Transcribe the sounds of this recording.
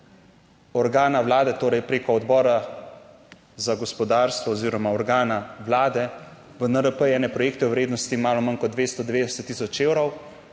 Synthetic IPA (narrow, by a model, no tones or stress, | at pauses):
ɔɾɡaːnaʋlaːd̪ɛt̪oːɾɛjpɾeːkɔɔd̪bɔːɾa | zaɡɔspɔd̪aːɾst̪ʋɔːziːɾɔmaɔɾɡaːnawlaːd̪ɛ | ʋənəɾəpəjɛːnɛpɾɔjeːk̚t̪ɛwwɾeːd̪nɔst̪imaːlɔmankɔd̪ʋeːst̪ɔd̪ʋeːd̪ɛsɛt̪ːisɔt͡ʃeːwɾɔw